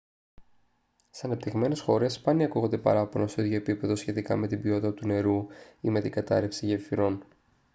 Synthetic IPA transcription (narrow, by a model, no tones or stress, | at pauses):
seɐnɐp̚t̪iɣme̞ne̞sxo̞ɾe̞spɐniɐkuɣod̪e̞pɐ̰ɾɐponoseðʝo̞epipe̞ðo̞sçe̞t̪ikɐ̰me̞t̪ibio̞t̪it̪ɐt̪une̞ɾuime̞t̪iɡɐt̪ɐ̰ɾefsiʝevfiɾo̞n